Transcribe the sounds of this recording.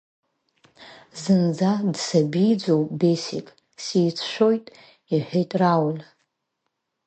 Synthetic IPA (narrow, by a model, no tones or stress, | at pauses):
zɨnd͡zadsabijd͡zowʼbesḭkʼ | sijt͡sʰʃʷᶣo̞jtʼ | iħʷᶣejtʼrawl